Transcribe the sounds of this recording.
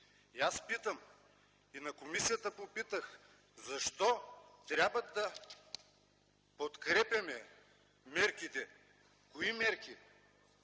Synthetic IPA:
iaspit̪əm | inɐkomisijət̪əpopit̪əx | zɐʃt̪ɔt̪ɾʲabvɐd̪ɐ | pot̪kɾɛpʲjɐmɛ | mɛɾkit̪ɛ | koimɛɾki

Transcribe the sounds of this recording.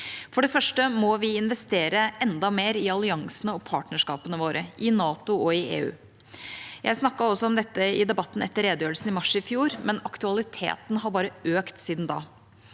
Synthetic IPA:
fɔɖɛfœʂʈəmɔʋɪɪnʋɛst̪eːɾəɛnd̪ɑmeːɾɪɑlɪɑŋsənəɔpʰɑ̰ːʈɳəʂkɑ̰ːpənəʋoːɾʔəʔɪnɑːt̪ʊɔɪḛːʉ̰ː | jʔæɪsnɑkːɑɔsːɔɔmd̪ɛt̪ːəɪ̰d̪ɛbɑt̪ːn̩ɛt̪ːəɾeːd̪jøːlsn̩ɪmɑʂɪfjuːɾmɛnɑkt̪ʉɑlɪt̪ʰḛːt̪nɦɑɾbɑːɾəøːkt̪siːd̪nd̪ɑ̰ː

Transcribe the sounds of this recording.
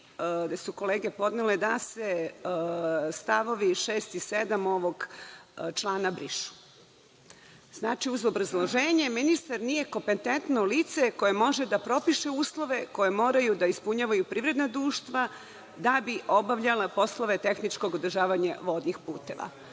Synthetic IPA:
d̪esuko̞leːɡe̞po̞d̪neled̪ase̞ | st̪aʋo̞ʋiʃeːst̪ised̪amo̞ʋo̞ɡ | t͡ʃlˠaːnabɾiʃu̥ | znaːt͡ʃiuzobɾazlˠoʒeːɲe̞minist̪aɾnije̞kompent̪ent̪noliːt̪seko̞je̞mo̞ʒe̞d̪apɾo̞piʃe̞uːslˠo̞ʋe̞ko̞je̞mo̞ːɾajud̪aispuɲaːʋajupɾiːvɾe̞d̪nad̪ɾuːʃt̪ʋa | d̪abiʔo̞baʋʎalapo̞sloʋe̞t̪e̞xnit͡ʃko̞ɡod̪ɾ̩ʒaːʋaɲaʋo̞d̪nixpuːt̪e̞ʋa̰

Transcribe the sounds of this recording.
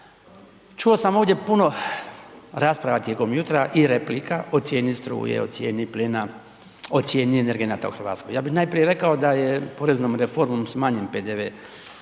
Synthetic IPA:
t͡ʃuosamo̞ːʋd̪ʲje̞puno̞ | ɾaːspɾaʋat̪jeko̞mjut̪ɾaʔiɾe̞plikaʔo̞t̪sʲje̞ːnist̪ɾṵjḛo̰t̪sʲjḛːnipliːna | ot̪sje̞ːnieneɾɡe̞nat̪a̰ṵxrɾʋa̰ːt̪skojaːbixnaːjpɾije̞ɾe̞kao̞d̪ajepo̞ɾeznomɾefo̞ɾmomsmaːɲenpeːd̪eʋeː

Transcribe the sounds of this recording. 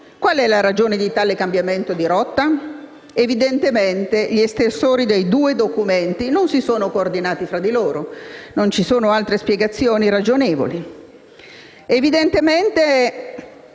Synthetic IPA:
kwalɛlaɾad͡ʒoːned̪it̪aːlekambjament̪od̪iɾɔt̪ːa | evid̪ent̪ement̪eʎiest̪ersoːɾid̪ejd̪uːed̪okument̪inonsisoːnokoːrd̪inaːt̪ifɾad̪iloːɾonont͡ʃisoːnoalt̪ɾespjeɡat̪sːjoːniɾad͡ʒoneːvo̰li | evid̪ent̪ement̪e

